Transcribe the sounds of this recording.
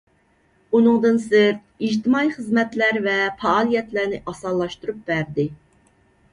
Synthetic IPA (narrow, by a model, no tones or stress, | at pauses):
unɨŋd̪ɨnsɪɾt̪̚id͡ʒt̪ɪmɑjχəzmɛt̪læɾvɛfɑːlˠijɛt̪læɾnɪʔɑsɑlˠːɑʃt̪uɾup̚bæɾd̪ɪ